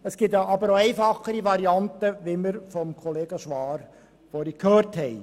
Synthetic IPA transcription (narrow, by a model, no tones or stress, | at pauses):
əsɡ̥ɪtʔɑbəɾoɛɪfɑχəɾiʋɑɾiɑntəʋiməɾfɔmkʰɔleːɡəʃʋɑːɾ | fɔɾikʰhøːɾthɛɪ